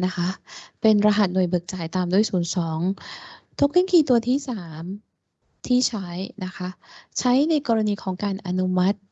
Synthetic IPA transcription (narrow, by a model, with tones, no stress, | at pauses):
na˦˥kʰa˦˥ʔpe˧nɾa˧ɦa˨˩t̪̚nu˨˩əjbɯː˨˩k̚t͡ɕaː˨˩jt̪aː˧mdu˥˩əjsuː˩˦nsɔː˩˦ŋt̪ʰo˦˥k̚li˥˩ŋkʰiː˧˩t̪u˧ɐt̪ʰiː˥˩saː˩˦m | t̪ʰiː˥˩t͡ɕʰa˦˥jna˦˥kʰa˦˥ʔt͡ɕʰa˦˥jna˧jkɔː˧ɾa˧niː˧kʰɔː˩˦ŋkaː˧nʔa˧nu˦˥ma˦˥t̪̚